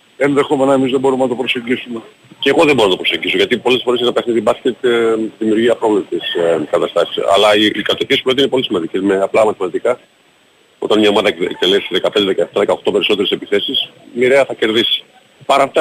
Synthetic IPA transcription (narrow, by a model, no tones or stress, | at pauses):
enðe̞xo̞menɐemizðebo̞ɾumenɐt̪opɾo̞seɟisume | ceɣo̞ðebonɐt̪opɾo̞seɟiso̞ʝɐt̪ipo̞lesfoeenɐp̪exniðibɐscet̪ðimiuɾʝiɐpɾovlet̪eskɐt̪ɐst̪ɐsi̥sɐ̰lɐiikɐt̪eispɾinepolisimɐnd̪ice̞meɐplɐmɐθemɐt̪ikɐ | o̞̰t̪ɐnɲiɐomɐðɐt̪elesðe̞kɐpend̪eðekɐeft̪ɐðekɐoxt̪o̞pe̞ɾiso̞t̪eɾese̞piθe̞sismiɾeɐθɐce̞ɾðisi̥ | pɐɾɐːft̪ɐ